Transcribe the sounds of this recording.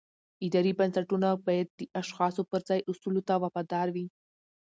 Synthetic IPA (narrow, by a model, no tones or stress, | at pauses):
ɪd̪ɑɾibansaʈunabɑjad̪̚ːəʔaʃxɑsopəɾzɑjʔʊsulot̪awafɑd̪ɑɾwi